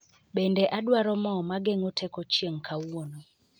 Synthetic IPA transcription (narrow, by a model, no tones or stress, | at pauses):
ɓɛndɛʔadwaɾɔmɔmaɡeŋotʰɛkɔt͡ʃjeŋkʰawono